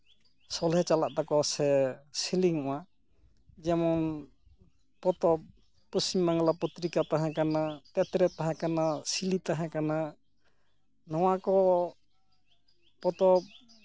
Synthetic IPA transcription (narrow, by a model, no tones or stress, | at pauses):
sɔlɦɛt͡ʃalaʔ̚d̪akɔsɛsiliŋɔʔa | d͡ʒɛmɔn | pɔt̪ɔp̚ | pɔsimːaŋlapɔt̪ɾikat̪aɦɛ̃kanat̪ɛt̪ɾɛt̪aɦɛ̃kanasilit̪aɦɛ̃kana | nɔw̃akɔ | pɔt̪ɔp̚